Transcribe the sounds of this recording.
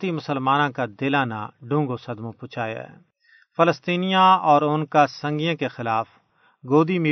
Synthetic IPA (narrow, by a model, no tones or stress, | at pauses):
t̪imʊsəlmaːnãkad̪ɪlaːna̰ɖʱũːŋɡosɐd̪mõpʊt͡ʃʰaːja̰ɦɛ̰ː | fɪləst̪iːnijãɔːɾʊnkasɐ̃ŋɡijãkexɪlaːf | ɡoːd̪imiː